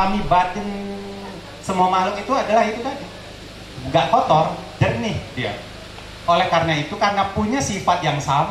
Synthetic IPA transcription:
amibadən | səmuamalʊt̪it̪uadalahit̪ubadə | ŋɡaʔfot̪ɔrdərnɪhdia̰ | ʔolɛhkarnait̪ukarnapuɲasifat̪̚jaŋsam

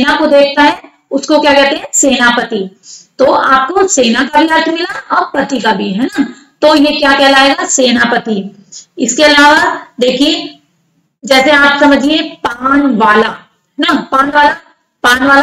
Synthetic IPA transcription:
seːnakod̪eːk̚ʰt̪aɦɛ̃ | ʊskokjaːkɛɦt̪eɦɛ̃seːnapɐt̪i | t̪oːaːp̚koseːnakabʱiɦaɾʈ̪ʰmɪlaɔːɾpɐt̪ikabʱiɦɛːna | t̪ojekjakɛlaːeːɡaseːnapɐt̪i | ɪskeɐlaːʋad̪eːkʰie | d͡ʒɛːseaːpsɐməd͡ʒʱliepaːnʋaːla | ɦɛnapaːnʋaːla | paːnʋaːla

